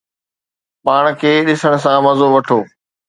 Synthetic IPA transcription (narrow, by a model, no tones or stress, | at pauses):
paːɽ̃kʰeːɗɪsəɽ̃̆s̬ãmɐzoʋɐʈʰoː